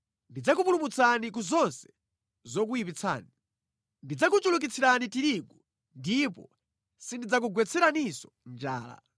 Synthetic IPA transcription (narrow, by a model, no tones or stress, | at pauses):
ndid͡zak̬upulumut͡sʰanik̬uzɔnsɛ̥ | zɔk̬ujipit͡sʰa̰ːni | ndid͡zakut͡ʃuluk̬it͡sʰiɾanitiɾiɡu | ndipɔ̰ | sindid͡zak̬uɡwɛt͡sʰɛɾanisɔ̥nd͡ʒaːla̰